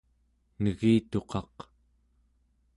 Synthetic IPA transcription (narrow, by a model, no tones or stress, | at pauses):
nəɣiːt̪o̞qʰɑq